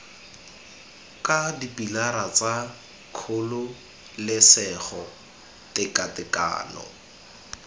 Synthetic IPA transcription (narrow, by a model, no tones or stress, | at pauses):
kʼadipilaɾat͡sa | kʰʊlʊ | lɪsɛχɔ | tɪkʼatɪka̰ːnɔ̰